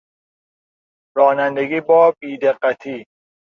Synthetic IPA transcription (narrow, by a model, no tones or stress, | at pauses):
ɾɒːnænd̪eɡiːbɒːbiːd̪eqːæt̪ʰiː